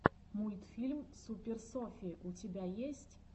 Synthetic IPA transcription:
mujt̪fʲilʲmsupʲersɔfʲiʔutʲɪbʲajesʲtʲ

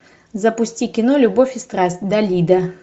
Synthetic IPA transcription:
zɐpʊsʲtʲikʲɪnolʲʊbofʲɪst̪ɾasʲtʲd̪ɐlʲid̪ə

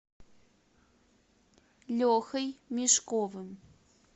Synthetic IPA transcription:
lʲoxəjmiʂkovəm

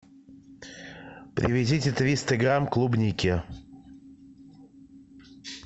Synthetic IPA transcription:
pɾʲʔɪ̰vʲɪdʲitʲɪt̪vʲist̪ɨɡɾamklˠubnʲikʲɪ

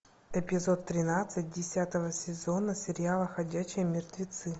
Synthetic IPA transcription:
ɛpʲɪzo̞t̪ːɾʲɪnat̪sɨt̚ʲdʲɪsʲat̪əvəsʲɪzo̞nəsʲɪɾʲɪalˠəxɐdʲæɕːɪjəmʲɪrt̪vʲɪt̪sɨ

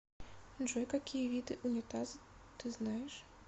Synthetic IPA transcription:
ʐɛjkakʲʰijɐvʲid̪ɨʔunʲɛt̪azɨt̪ɨznajɛʂ

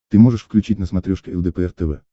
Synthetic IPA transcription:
t̪ɨmoʐɨʂfklʲʉt͡ɕitʲnəsmɐt̪ɾʲoʂkʲɪɛlˠd̪ɛpəɛrt̪ɛvɛ̰

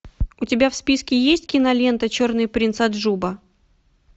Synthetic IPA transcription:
ʊtʲɪbʲafspʲiskʲɪjesʲtʲkʲɪnɐlʲe̞nt̪ət͡ɕornɨjpɾʲinsad̪ʐubə

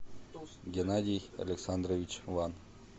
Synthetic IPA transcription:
ɡʲenadʲijɐ̰lʲeksand̪rovʲit͡ɕvɑn

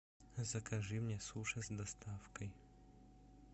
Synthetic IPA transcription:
zɐkʰɐʐɨmnʲesuʂɐsd̪ɐst̪ʰafkɐj

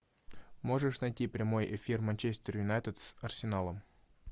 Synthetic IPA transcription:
mo̞ʐɨʂnɐjtʲipɾʲɪmo̞jefʲirmɐnʲt͡ɕesʲt̪ʲɪrjʊnajt̪ʲɪt̪sɐrsʲɪnalˠəm

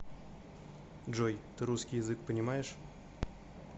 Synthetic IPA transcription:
dʐojt̪ɨɾuskʲɪjɪzɨk̚pənʲɪmajɪʂ

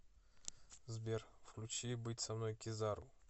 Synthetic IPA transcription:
zbʲerfklʲut͡ɕibɨtʲsɐmnojkʲɪzaɾṵ

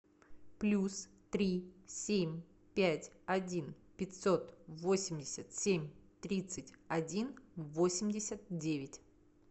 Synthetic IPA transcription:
plʲus | t̪ɾʲisʲemʲ | pʲætʲɐdʲinpʲɪtʲso̞t̪vo̞sʲɪmʲdʲɪsʲət̪sʲemʲt̪ɾʲit̪sɨtʲɐdʲinvo̞sʲɪmʲdʲɪsʲət̪̚dʲevʲɪtʲ

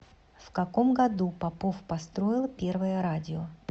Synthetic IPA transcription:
fkɐko̞mɡɐd̪upɐpo̞fpɐst̪ɾo̞jɪlˠpʲe̞rvəjəɾadʲɪo

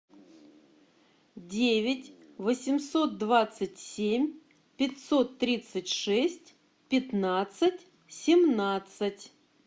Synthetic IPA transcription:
dʲevʲɪtʲ | vəsʲɪmso̞t̪̚d̪vat̪sɨtʲsʲemʲ | pʲɪtʲso̞t̪ːɾʲit̪sɨtʲʂɛsʲtʲ | pʲɪt̪nat̪sɨtʲ | sʲɪmnat̪sɨtʲ

